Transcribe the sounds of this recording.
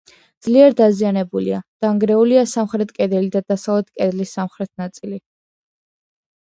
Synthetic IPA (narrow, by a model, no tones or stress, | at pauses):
d̪z̥liɛɾd̪azianɛbulḭad̪̥aŋɡɾɛuliasamχɾɛt̪̚ʰkʼɛd̪ɛlid̪ad̪asavlɛt̪̚ʰkʼɛd̪lisːamχɾɛt̪ʰnat̪sʼili